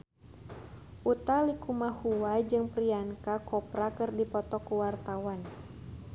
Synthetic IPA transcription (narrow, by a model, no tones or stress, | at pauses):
ʔut̪alikumahuwad͡ʒɨŋpɾiaŋkakɔpɾakɨrdipɔt̪ɔkuwart̪awan